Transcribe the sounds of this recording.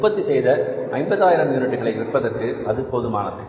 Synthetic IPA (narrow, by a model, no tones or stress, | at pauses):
pːɐt̪ːɯsɛjðɐɐɪmbɐðaːjɪɾɐmjuːnɪʈːɯɣɐɭɐɪɪʋɪpːɐðɐrkɯɐðɯpoːðɯmaːnɐðɯ